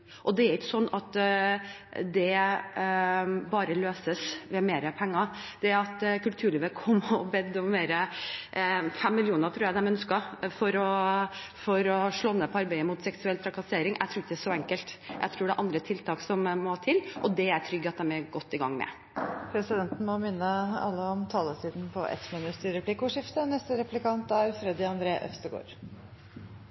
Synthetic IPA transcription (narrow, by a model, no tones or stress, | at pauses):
ʔɔd̪ɛæɾɪkːəsɔnːɑt̪ | d̪ɛ | bɑːɾəløːsəsʋɛmeːɾəpʰɛŋːɑd̪̥ɛɾɑt̪kʉlt̪ʰʉːɭiːʋəkʰɔmːɔbɛd̪ːɔmmeːɾə | fɛmːɪljuːnəɾt̪ʰɾuːɾjæd̪ɛmœnskɑfɔɾɔ | fɔɾɔʂɭɔːnːəpʰɔɑɾbæɪəmʊt̪sɛksʉɛlt̪ʰɾɑkɑseːɾɪŋʔæ̰t̪ʰɾuːɾɪçəd̪æːʂɔɛŋkəlt̪jʔæ̰ɪt̪ʰɾuːɖɛʔɑnd̪ɾət̪ʰɪlt̪ʰɑːksɔmːɔhɑːt̪ʰɪlːʔɔd̪ɛæɾʈʰɾʏɡːəɑt̪̚d̪ɛmæɡɔt̪ːɪɡɑŋːmɛ̰ | pʰɾɛsɪd̪ɛnt̪n̩mɔmɪnːəɑ̰lːəɔmt̪ʰɑːlət̪ʰiːd̪npʰɔ̰ʔɛ̰t̪mɪnʉt̪əɾɛplɪkʊʂɪft̪ənɛst̪əɾɛplɪkɑnt̪æɾfɾɛd̪ɪɑnd̪ɾeːʔœ̰fst̪əɡo̰ːɾ